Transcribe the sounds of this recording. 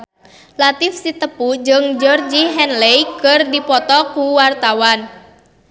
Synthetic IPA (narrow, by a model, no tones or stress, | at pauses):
lat̪ɪfsit̪əpud͡ʒɨŋd͡ʒɔrd͡ʒiɦɛnlejkərdipɔt̪ɔkuwart̪awan